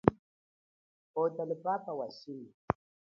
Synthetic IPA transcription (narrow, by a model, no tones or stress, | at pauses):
ɔtalɪpapawasili